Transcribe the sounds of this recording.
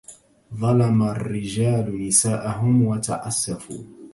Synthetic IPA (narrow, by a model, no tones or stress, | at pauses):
ðˤɑlɑmarːɪd͡ʒaːlnɪsaːʔaɦʊmwat̪a̰ʕasːafṵː